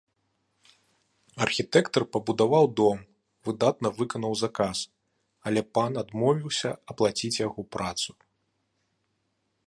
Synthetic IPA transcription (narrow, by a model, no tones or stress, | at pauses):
ɐrxʲit̪ɛkt̪ɐrpɐbud̪avawd̪ɔm | vɨd̪at̪nɐvɨkɐnɐwzakas | ɐlʲɛpanad̪mɔvʲiwsʲɐɐplˠat͡sʲit͡sʲjaɣɔpɾat̪su